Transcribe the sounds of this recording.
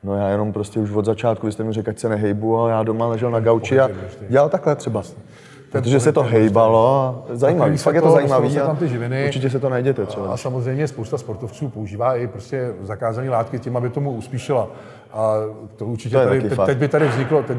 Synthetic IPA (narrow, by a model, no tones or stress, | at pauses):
no̞jaːjɛno̞mpɾoscɛuʃvo̞d̪zat͡ʃaːt̪kuvɪst̪ɛmɲɛlrɛkacsɛnɛɦɛjbuajaːdo̞malɛʒɛlnaɡawt͡ʃɪaɟɛlalt̪aklɛt̪r̥ɛba | pɾot̪oʒɛssɛt̪oɦɛjbalo̞azajiːmaviːfak̪̚jɛt̪ozajiːmaviːsat̪amt̪ɪʒɪvɪnɪuɾt͡ʃɪcɛs̬ɛt̪onajɟɛt̪ɛt̪r̥ɛbasamozrɛjmɲɛspowst̪aspoɾt̪oft͡suːpo̞uʒiːvaːɪpɾoscɛzakaːzaniːlaːt̪kɪcɪmabɪt̪omuuspiːʃɪla | ʔat̪ouɾt͡ʃɪc̪ojɛt̪aaɪkejak̪ɛbɪt̪adɪvzɲɪklot̪ɛ